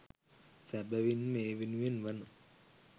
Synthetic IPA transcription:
sɛp̚bɛwinmewinwinwan

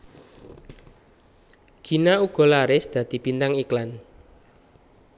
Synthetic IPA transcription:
ɡ̥i̤nauɡ̥ɔ̤laɾɪsd̪̥a̤d̪̥i̤bint̪aŋiklan

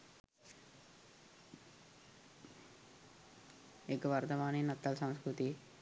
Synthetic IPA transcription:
ekɐʋɐɾt̪ɐʋaːninɐt̪ːɐlsɐmskɾut̪i

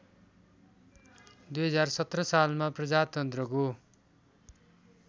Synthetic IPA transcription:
d̪ujɦʌd͡zarsʌt̪rʌsalmaprʌd͡zat̪ʌnt̪rʌko

